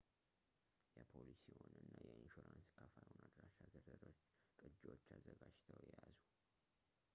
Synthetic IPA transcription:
jɛpʰolisiwonɨnːajɛɪnʃuɾanskʰafaɾonad̪ɾaʃazəɾəɾot͡ʃː | kʼɨd͡ʒot͡ʃːazəɡad͡ʒt̪ʰəwjɛjazu

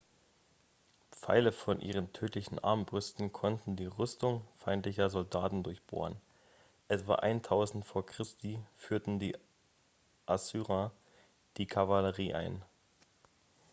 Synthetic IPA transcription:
pp͡fa̰ɪləfɔnʔḭːʁ̞əntʰøːtlɪçn̩ʔa̰ɐmbʁʏstn̩kʰɔntn̩diːʁʏstʊŋfaɪntlɪçɐzɔldaːtn̩dʊɐçb̥o̰ːʁən | ʔɛtv̥a̰ːʔaɪntʰaʊzn̩tfoːɐkʁ̥ɪstiːfyːɐtn̩diː | ʔasyːʁa | d̥iːkʰavaləʁiːʔa̰ɪn

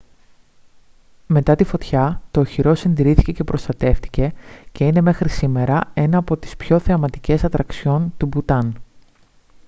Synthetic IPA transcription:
me̞t̪ɐt̪ifo̞t̪çɐt̪o̞ːçiɾo̞sinðiɾiθice̞ce̞pɾʔo̞st̪ɐt̪e̞ft̪i̥ce̞ce̞ine̞me̞xɾisime̞ɾɐe̞nɐːpo̞t̪i̥spço̞θe̞ɐmɐt̪ice̞sɐt̪ɾɐkso̞nt̪ubut̪ɐn

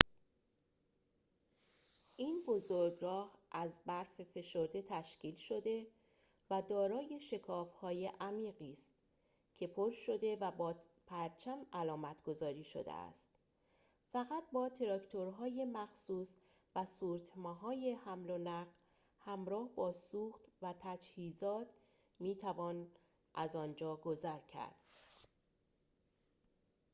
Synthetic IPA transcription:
ʔiːnbo̞zoɾɡɾɒːhʔæzbæɾfefe̞ʃo̞ɾd̪e̞t̪ʰæʃciːlʃo̞d̪e̞ | væd̪ɒːɾɒːje̞ʃe̞kʰɒːfhɒːje̞ʔæmiːɢiːst̪ | cʲʰe̞pʰoɾʃo̞d̪e̞væbɒː | pʰæɾt͡ʃʰæmælɒːmæt̪ʰɡ̥o̞zɒːɾiːʃo̰d̪ḛæ̰st̪ | fæɣæt̪̚bɒːt̪ʰe̞ɾɒkʰt̪ʰo̞ɾɦɒːje̞mæxsuːs | væsuːɾt̪ʰmɒːɦɒːje̞hæmlonæɢ | hæmɾɒːhbɒːsuːxt̪væt̪ʰæd͡ʒhiːzɒːt̪ʰ | miːt̪ʰævɒːn | ʔæzɒːnd͡ʒɒːɡo̞zæɾcʰæ̰ɾd̪̥

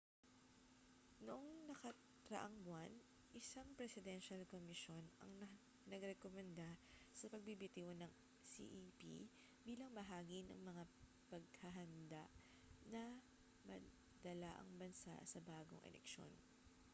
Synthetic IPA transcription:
noʔoŋnɐkɐ | t̪ɾɐʔaŋbʊan | ʔɪsaŋpɾɛsɪd̪ɛnʃɐlkomɪʃo̞nɐ̰ŋɐ | nɐɡɾɛkomɛnd̪a | sɐpɐɡ̚bibɪt̪iwonɐŋ | sḭʔipḭ | biːlɐŋbɐɦaːɡinɐ̰ŋmɐŋa | pɐɡ̚hɐɦɐnd̪aʔ | nɐ | mɐ | d̪ɐlaʔɐ̰ŋbɐnsa̰ʔsɐbaːɡo̰ŋʔɛ̰lʔɛ̰kʃo̞̰n

